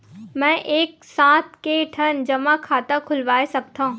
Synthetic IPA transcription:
mɛ̃ːʔeːk̚sãːt̪ʰkeʈʰɐnd͡ʒɐmakʰaːt̪akʰʊlʋaːesɐk̚t̪aɦũː

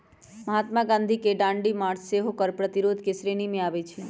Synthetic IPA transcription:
məɦat̪maɡãnd̪ʱikeɖãɳɖimaɾseɦokəɾpɾət̪iɾod̪ʱkesɾenimẽaʋet͡ʃʰe

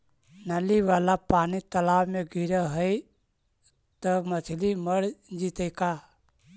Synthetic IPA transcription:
nəliʋaːlapaːnit̪əlaːwmẽɡʱiɾəɦəj | t̪əmət͡ʃʰliməɾd͡ʒit̪əjka

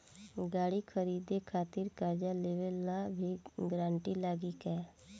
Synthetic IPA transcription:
ɡaːɽikʰəɾiːd̪ekʰaːt̪ɪɾkaːɾd͡ʒaleːʋəlnabʱiɡɾãːɳʈilaːɡikɛː

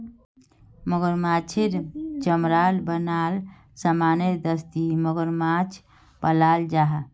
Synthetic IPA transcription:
məɡəɾmat͡ʃʰiɾt͡ʃəmɾalbənal | səmaneɾd̪əst̪iməɡəɾmat͡ʃʰ | pəlald͡ʒaɦ

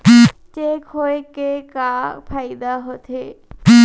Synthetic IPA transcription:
t͡ʃekɦoekekapʰaɪd̪aɦot̪ʰe

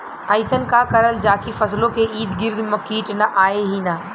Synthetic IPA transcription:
ɐɪsənkakɐɾəld͡ʒaːkifɐslõkʰeːʔiːd̪ɡɪɾd̪mɐkiːʈnɐʔaːeɦina

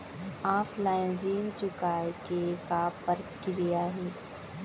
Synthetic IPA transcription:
aːpʰlaːɪnɾiːnt͡ʃʊkaːjkekapəɾkɪɾijaɦɛː

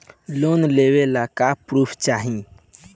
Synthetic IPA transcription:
lonlewelakapɾuːpʰt͡ʃaɦĩ

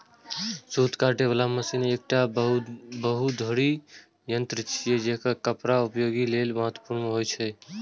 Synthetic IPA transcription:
suːt̪kaɾʈeʋalaməsineːk̚ʈa | bəɦut̪d̪ʱoːɽi | jənt̪ɾət͡ʃʰijed͡ʒeɦkakəpɾaʊpjoɡilelməɦət̪wəpuɾnɦojt͡ʃʰɛ

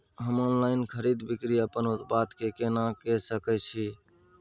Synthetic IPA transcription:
ɦəmonlaɪnkʰəɾid̪bikɾiəpənʊt̪bat̪kekenakɛsəkət͡ʃʰi

